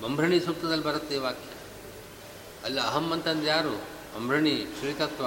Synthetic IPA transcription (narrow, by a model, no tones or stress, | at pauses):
bɐmbʱɾɐɳisuk̚t̪ɐd̪ɐlbʱɐɾɐt̪ːeːʋaːkjɐ | ɐlːɐːɦɐmːɐnt̪ɐnd̪jaːɾu | bɐmbʱɾɐɳiʃɾit̪ɐt̪ʋa